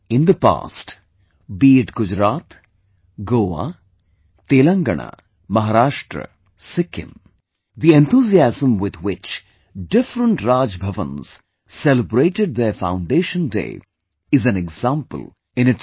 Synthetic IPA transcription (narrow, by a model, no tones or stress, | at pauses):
ɪ̃nd̪əpa̰ːsʈ | biːʈɡʊd͡ʒɾaːt̪ | ɡoːʋa̰ | t̪eːlə̃ŋɡə̰ɳ̃a̰ | mɐɦaːɾaːʃʈɾə̰ | sɪkʰɪ̰̃m | d̪iẽnt̪ʰuːziæzə̃mwɪd̪wɪt͡ʃ | ɖɪfɾə̃ɳʈɾaːd͡ʒbʱɐʋə̰̃nz̥ | sɛləbɾeːʈɪɖ̚d̪efã̰ʊ̃ɳɖeːʃə̃ndḛː | ɪzæ̃nɛɡzãmpə̰l̩ˠ | ɪ̃nɪʈ